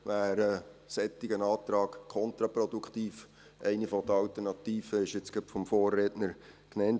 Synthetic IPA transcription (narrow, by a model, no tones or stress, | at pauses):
ʋæːɾəsɛt̪ːɪɡənɑːt̪ɾɑːkkʰɔnt̪ɾɑpɾɔd̪ukχt̪iːf | ʔɛɪnifɔd̥̪əɑwt̪əɾnɑt̪iːfəɪʃɪt͡sɡ̥əpfɔmfoːrːɛtnəɾknɛnt